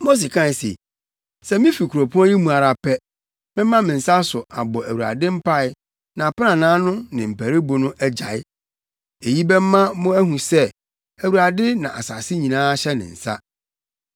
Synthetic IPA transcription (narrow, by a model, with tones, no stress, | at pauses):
mo˦s̬e˨kʰã˦˨sḛ˨ | sɛ˦mɪ̃˦fi˨kʰu˨ɾo˨pʰu˦ã˦jĩ˦mũ˨a˨ɾa˨pɛ˦ | mɪ̃˦ã˦mɪ̃˨n̩˨sa˦sʊ˨a˨bɔ˨æ˨wu˨a̰˨dɪ̃˦m̩˦pʰa˦ɪ˦ | nã˨pɪ˦nã˨nãː˦nʊ̃˦nɪ̃˨m̩˨pæ˨ɾi˦bʊ˨nʊ̃˦ʔɛ˦d͡ʑa̰˨ɪ˦ | e˨ji˦bɛ˦m̩˦mã˦mʊ̃˦æ˦ɦũ˨sɛ˦ | æ˨wu˨ɾa˨dɪ˦nã˨ʔa˨sa˨sɪ˦ɲĩ˨nãː˦ɕɛ˦nɪ̰̃˨n̩˨sa̰˦